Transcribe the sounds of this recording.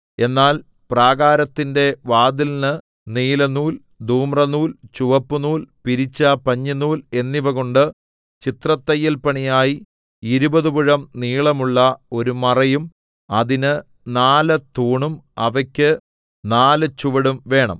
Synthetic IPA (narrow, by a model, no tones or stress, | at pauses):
e̞nːaːl | praːɣaːɾɐt̪ːinde̞ʋaːd̪ilnɨ | niːlɐnuːl | d̪ʱuːmrɐnuːlt͡ɕuʋɐpːunuːlpiɾit͡ɕːɐpɐɲːinːuːle̞nːiʋɐɣoɳɖɨ | t͡ɕit̪rɐt̪ːɐjːɐlpɐɳijaːji | iɾubɐðubuɻɐmniːɭɐmuɭːɐo̞ɾumɐrɐjum | ɐðinɨ | naːlɐt̪uːɳumɐʋɐkʲːɨ | naːlɨt͡ɕuʋɐɽumʋe̞ːɳɐ̰m